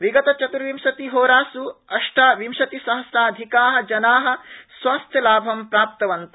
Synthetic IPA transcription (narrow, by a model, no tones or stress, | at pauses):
ʋiɡɐt̪ɐt͡ʃɐt̪uɾʋimʃɐt̪iɦoːɾaːsuɐʂʈaːʋimʃɐt̪isɐɦɐsaːd̪ʱikaːɦɐ̆d͡ʒɐnaːɦɐ̆swaːst̪ʰjɐlaːbʱɐmpɾaːp̚t̪ɐʋɐnt̪ɐ̥